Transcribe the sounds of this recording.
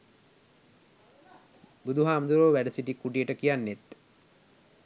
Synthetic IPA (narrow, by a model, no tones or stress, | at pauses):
bud̪uɦaːmd̪uɾoːʋæɖəsiʈikːuʈijəʈəkijanːet̪